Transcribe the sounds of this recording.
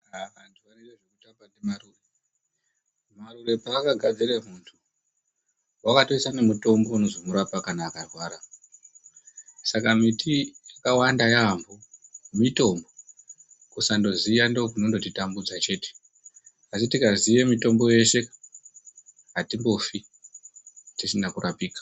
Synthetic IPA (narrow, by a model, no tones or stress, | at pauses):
aʋantʰuʋanedeʐekutambanemarure | marure̞paːkaɡʱad͡ziremuntʰu | wakatoisane̞muto̞mbo̞uno̞zomuɾapakanaːkarwaːɾa | sakamitijakawandajambomito̞mbo̞ | kusando̞zijandokunondo̞t̬itambud͡zat͡ʃe̞ːte̥ | asitikazijemito̞mbo̞je̞ʃe̞ka | ɦatimbo̞fi | tisinakurapiːkḁ